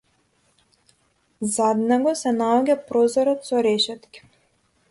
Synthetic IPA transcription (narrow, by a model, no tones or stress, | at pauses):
zad̪nɛɡɔsɛnaɔɟʲapɾɔzɔɾɔt̪sɔɾɛʃɛt̪kʲi̥